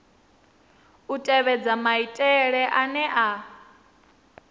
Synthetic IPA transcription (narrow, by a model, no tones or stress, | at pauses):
utʼɛβɛd͡zamaitʼɛɺɛʔanɛʔa